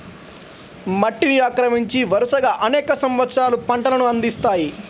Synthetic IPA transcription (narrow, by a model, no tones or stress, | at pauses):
mɐʈːiniaːkɾɐmiɲt͡ʃiʋɐɾuʂɐɡaːʔɐnɛːkɐsɐmʋɐt̪ːsɾaːlupɐɳʈɐlɐnuɐnd̪ist̪aːji